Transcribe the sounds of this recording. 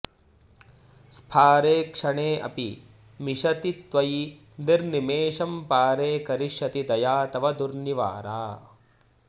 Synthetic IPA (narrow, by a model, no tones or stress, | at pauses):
spʰaːɾeːkʂɐɳeːʔɐ̰pi | miʂɐt̪it̪ʋɐji | d̪iɾnimeːʃɐmpaːɾeːkɐɾiʃɐt̪id̪ɐjaːt̪ɐʋɐd̪uɾniʋa̰ːɾa̰ː